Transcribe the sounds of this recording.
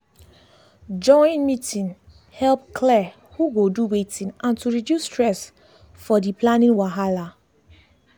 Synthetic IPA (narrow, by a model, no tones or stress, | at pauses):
d͡ʒɔ̃ɪ̃nmitʰĩn | hɛlp̚kʰlɛ | huɡoduwetʰĩnʔãntuɹidjusːtɹɛs | fɔdipʰlanĩnwaɦala